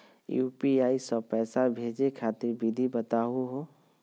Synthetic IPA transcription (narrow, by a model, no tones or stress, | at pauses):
juːpiaːisɔpɛːsabʱeːd͡ʒekʰaːt̪ɪɾbɪd̪ʱibət̪aːɦuɦoː